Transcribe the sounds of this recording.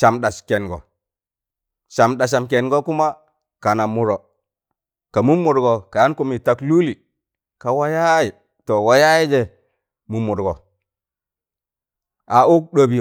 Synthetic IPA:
ʃa˨mɗa˨ske˨nɡo̰˨ | ʃa˨mɗa˨ʃ̬a˨mk̬e˨nɡo˦ku˦ma˦ | ka˨na˨mu˨ɾo˨ | ka˨mu˦mːu˨ɾɡo˨ka˨ja˦nku˦mi˨ta˨klu˦li˨ | ka˨wa˦ja˦ji˨ | to˨wa˦ja˦ji˦d͡ʒe˨ | mu˨mːu˨ɾɡo˨ | a˨ʔu˦k̚ɗo˦˨bi˨

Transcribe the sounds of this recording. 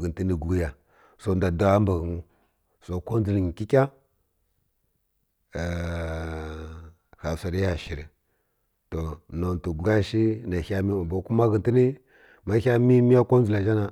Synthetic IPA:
ɣi˨nti˦ni˦ɡu˦ja˨ | so˨nda˨da˦a˦mba˨ɣu˨mu˦ | so˨ko˦n˦d͡zu˨lɲi˨ki˦kʲa˦˨ | xa˨sa˨ɾi˦ja˨ʃi˨ɾi˨ | to˨no˨n˨tu˨ɡɡa˦ʃi˦na˨xa˦mi˦˨ba˨˦ku˦ma˦ɣi˨nti˦ni˦ | ma˦hʲa˦mi˦mi˦ja˦ko˦n˦zu˨la˨d͡ʒa˦na˨

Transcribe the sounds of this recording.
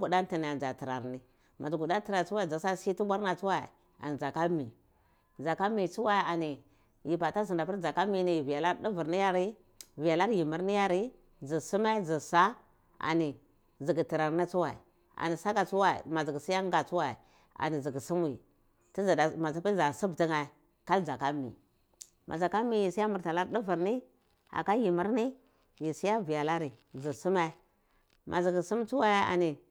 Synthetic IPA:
ɡu˨da˦n˦ti˨ni˨a˨d͡ʒa˨ti˨ɾa˨ɾni˦ | ma̰˨d͡ʒu˨ɡu˨da˦ti˨ɾa˨t͡su˦wa˦i˨d͡za˨sa˦si˦ti˦ɡʷa˦ɾna˨t͡su˦wa˦˨ḭ˨ | a̰˨ni˨d͡za˨ka˦mi˨ | d͡za˨ka˦mi˨t͡su˦wa˦i˨a˨ni˨ | ji˨pa˨ta˦zi˨nda˨pi˦ɾd͡za˨ka˦mi˨ni˨vi˨ja˨la˦ɾdi˦vu˨ɾni˦ja˦ɾi˦ | vi˨ja˨la˦ɾji˨mi˨˦ɾni˦ja˦ɾi˦ | d͡zi˨su˦ma˦d͡zi˨sa˦ | a̰˨ni˨ | zi˨ɡi˨ti˨ɾa˨ɾna˦t͡su˦wa˨ḭ˨ | a̰˨ni˨sa˦ka˨t͡su˦wa˦ḭ˨ma˨zi˨ɡi˨si˦ja˦ŋɡa˨t͡su˦wa˨i˨ | a̰˨ni˨zi˨ɡi˨su˦m˦i˨ | ti˦za˨da˨ma˨t͡sa˦i˦za˨si˦bti˦ŋa˨ | ka˦ld͡za˨ka˦mḭ˨ | mʔa̰˨za˨ka˦mi˦ji˨si˦a˦mu˨ɾta˨la˦ɾdi˦vu˨ɾni˦ | a̰˨ka˦ji˨mi˦ɾni˦ | ji˨si˦ja˦vi˨ja˨la˦ɾi˨zi˨su˦ma˦ | mʔa˨zi˨ɡi˨su˦m˦t͡su˦wa˦˨a̰˨ni˨

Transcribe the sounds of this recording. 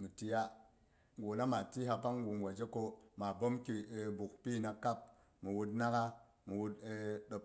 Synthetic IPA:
mu˨ti˨ja˦ | ɡo˨na˦ma˨ti˦ɦa˧pa˦ŋ˦ɡu˨nwa˨d͡ʒe˦ko˧ma˨bo˦mki˨bu˨k̚pi˦˨na˨ka˦p̚ | mu˨wu˧tna˦ka˦ | mu˨wu˦tɗo˨p̚

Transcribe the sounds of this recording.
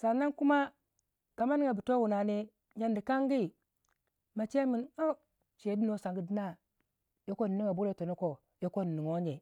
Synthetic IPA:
sa˨na˦nku˦ma˦ | ka˨ma˦ni˦ŋa˨bi˨to˦wu˨na˨ni˦ | ɲa˨ndi˨ka˦ŋɡi˦ | ma˨t͡ʃe˦mi˨no˦ | t͡ʃe˨˦bi˦no˦sa˨ŋɡi˦di˦na˦ | jo˦ko˦n˨ni˦ŋa˨bu˦ɾe˦˨to˨no˦ko˨ | jo˦ko˦n˨ni˨ŋo˦ɲe˨

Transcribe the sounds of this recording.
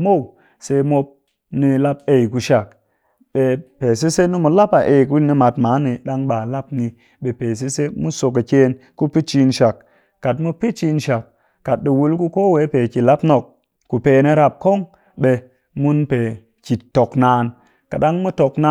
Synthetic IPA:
mo˦˨w | se˧mo˧p̚ | ni˧la˧˦pe˨jku˨ʃa˨k | ɓe˧pe˨s̬e˦se˦ni˦mu˧la˦pa˨ʔe˨ku˦ni˧ma˨tmaː˨˦ni˨ɗa˦ŋɓaː˨la˦pni˧ | ɓe˨pe˨s̬e˦se˦mu˦so˧k̬a˨ke˦n | ku˦pi˦t͡ʃi˧nʃa˨kː | a˨tmu˦pi˦t͡ʃi˧nʃa˨k̚ː | a˨t̚ɗi˨wu˧lku˦koː˦we˨˦pe˨ki˨la˦pno˨k̚ː | u˨peː˨ne˧˦ɾa˧p̚ko˦ŋ | ɓe˧ | mu˦npe˨ | ki˨to˨knaː˨˧n | ka˨ɗa˦ŋmu˦to˨kna˦

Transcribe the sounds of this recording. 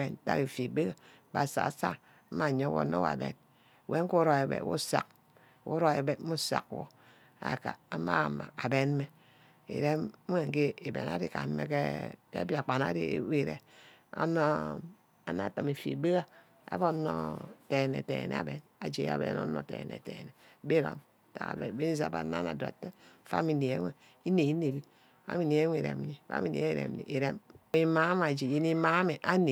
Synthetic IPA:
e˨n˦ta̰˦ki˨fi˨be˦ɣa˦ | ba˨sa̰˨sa̰˦ | m̩˦ma˨ɲo˦wo̰˨˦no˦wa̰˨bḛ˨n˨ | we˨˦ŋ̩˦ku˦ɾo˨e˨bḛ˨˦wṵ˦sa˨k̚ | wu˦ɾo˦e˨be˨˦mu˦sa̰˨kwo˨ | a̰˨ka˨a˨ma˦˨ma˨a˨be˦n˦me˦ | ḭ˨ɾe˦we˦˨ŋ̩˨ke˦i˨bḛ˨na̰˦ɾi˦ka˨m̩˦mːḛ˦kḛ˦kḛ˦a˦bja˨k͡pa˨na̰˦ɾḭ˦wi˦˨ɾḛ˨ | o̰˦no˦ | a˨na˨to˨me˨fḭ˨be˦ɣa˦ | a̰˦bo˦no̰˦te˨ne˨te˨n̰˨be˨na˨d͡ʒe˨˦a̰˨be˨˦no̰˦no˦te˨nḛ˨te˨ne˨˦be˦ɾo̰˨m | ta˨a̰˨be˨be˦ni˦za˨ba˨na˦na˨da̰˨te˦˨fa̰˦mi˨ne˨e˦ŋʷe˨ | i˦ne˨i˦ne˨bi˦ | fa̰˦mi˨ne˨e˦we˨ɾḛ˨m˦ni˨fa̰˦mi˨nḛ˨˦e˦i˦˨ɾḛ˨m˨nḭ˨e˨ɾe˦m˦i˦ma˦m˦a˨d͡ʒi˨ji˦ni˦ma˦me˨ʔa˦ne˨

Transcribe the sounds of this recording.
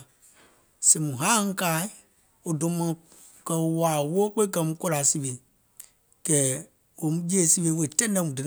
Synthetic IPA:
si˨mũ˨ɦã˦hũ˦kaː˨˦i˦ | o˨dõ˨˦mã˨ | kə˨o˨waː˨wo˦k͡pe˦kɜ˧˨mũ˦ko˦la˨si˦we˨ | kɛ˨ | wo˨mũ˦d͡ʒe˦˨˦si˦we˧˦we˨tɛ̃˦dɛ̃˦mũ˨dɨ˨n˨

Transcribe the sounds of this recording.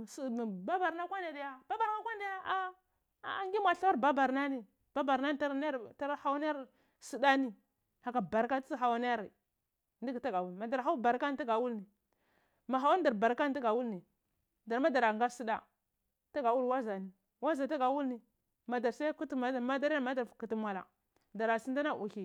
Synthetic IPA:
sba˦ba˨ɾna˦kʷa˦nda˨da˨ja˦ba˦ba˨ɾna˦kʷa˦n˦da˨ja˦ʔa˦˨ | ŋɡi˦mʷ˨a˨ɬa˦wa˦ɾba˦ba˨ɾna˦ni˨ | b̥a˦ba˨ɾna˦n˦ta˦ɾn˦ta˦ɾha˦wa˦n˦a˦ɾ | si˦da˦ni˨ | ha˨ka˨ba˨ɾka˦tt͡si˦ɦa˨wa˦n˦a˦ɾi˨ | ndi˦ɡta˦ɡa˨wu˦lma˨da˨ɾɦa˦u˦ba˨ɾka˦n˦ta˦ɡa˨wu˦lni˨ | ma˨ɦa˨˦wa˦n˦da˨ɾba˨ɾka˦n˦ti˦ɡa˨wu˦lni˨ | da˨ɾma˦da˨ɾa˨ŋɡa˦ɾsi˦da˦ | ta˦ɡa˨wu˦lwa˦za˨ni˨ | wa˦za˨ta˦ɡa˨wu˦lni˨ | ma˨da˨ɾsa˦ku˦tma˦da˦ɾa˦ma˦da˨ɾku˨tu˨mʷ˨a˨la̰˨ | da˨ɾa˨si˦nda˦na˦˨ʔu˨hi˨

